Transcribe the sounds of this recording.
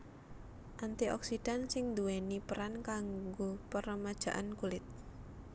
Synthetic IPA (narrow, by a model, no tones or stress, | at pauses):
ʔant̪iʔɔ̰ksid̥ansɪŋd̪uɛnipəɾankaŋɡopəɾəmad̥ʒ̥ä̤ʔankulɪt̪̚